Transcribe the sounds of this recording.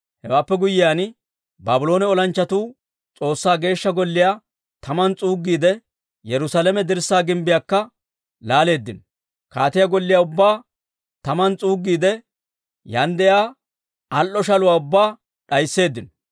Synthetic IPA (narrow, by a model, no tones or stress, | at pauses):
hɛwaːpːɛɡʊjɪjaːn | baːbɪlo̞ːnɛɔlɐnt͡ʃːɐt̪uː | t͡sʼo̞ːsːaːɡe̞ːʃːɐɡɔlːɪjaː | t̪ɐmɐnt͡sʼuːɡːiːd̪ɛ | jɛɾʊsalɛmɛd̪ɪɾsːaːɡɪmbɪjaːkːɐ | laːle̞ːd̪ːɪn | kaːt̪ɪjaɡɔlːɪjaːʊbːaː | t̪ɐmɐnt͡sʼuːɡːiːd̪ɛ | jɐnd̪ɛjaː | ɐlʔːɔʃɐlʊwaːʊbːaː | ɗɐjsːe̞ːd̪ːɪnɔ